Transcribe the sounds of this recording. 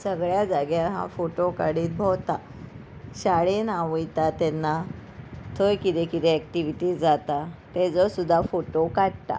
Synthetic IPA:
səɡɭjad͡zaɡjãɦã̰foʈokaɽiːt̪̚bʱɔwt̪a | ɕaɽenaʋujt̪at̪ɛnːa | t̪ʰojkit̪ekit̪ɛɛkʈiʋiʈiːd͡zat̪at̪ɛd͡zɔsud̪ʱːafoʈokaɽt̪a̰

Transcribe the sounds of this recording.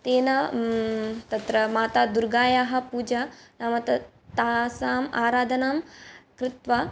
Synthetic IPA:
t̪eːnɐ | t̪ɐt̪ɾɐmaːt̪aːd̪uɾɡaːjaːɦɐ̆puːd͡ʒɐnɐmɐt̪ɐ | t̪aːsaːmaːɾaːd̪ʱɐnaːmkɾɪt̪ʋɐ

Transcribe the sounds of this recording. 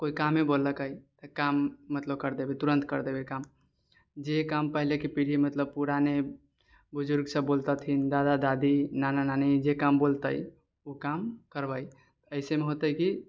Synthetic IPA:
koikamːebolːəkəjt̪əkamːət̪ləb̚kəɾd̪ebet̪uɾənt̪kəɾd̪ebekam | d͡ʒekampəɦilekepiɽ̤imət̪ləb̚puɾane | bud͡ʒuɾɡsə̃bbolt̪ət̪ʰind̪ad̪ad̪ad̪inanananid͡ʒekambolt̪ə̰j | ukamkəɾbəj | t̪əɪsemeɦot̪əiki

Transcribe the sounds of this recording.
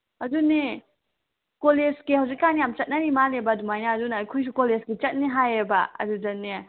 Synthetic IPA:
ɐduni | kolesɡehɐwzik̚ːanijamt͡ʃɐt̚naɾimalebadumajnaːdunaːjkʰujs̬ukolesɡet͡ʃɐt̚niɦajebaɐ̰dud͡ʒɐnːe

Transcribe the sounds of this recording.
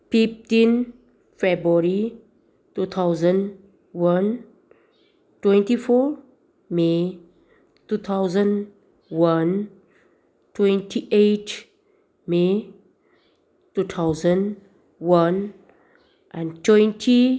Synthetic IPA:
fiftĩn | fɛbɹəɹi | tut̪ʰawzə̃n | wãn | twɛ̃ntifɔ | me | tut̪ʰawzə̃n | wãn | twɛ̃ntʰiʔet | me | tut̪ʰawzə̃n | wãn | ʔãntwɛ̃ntʰi

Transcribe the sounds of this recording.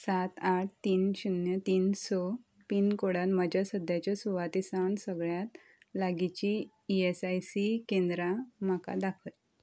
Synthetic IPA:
sat̪aʈ̚ʰt̪iːnɕunjət̪iːnsɔ | piːnkoɽanməd͡ʑʱasəd̪ʱjat͡ɕjasuʋat̪isaɳsəɡɭjat̪ | laɡit͡ɕi | iesajsikẽnd̪ɾam̤aka̰d̪akʰəj

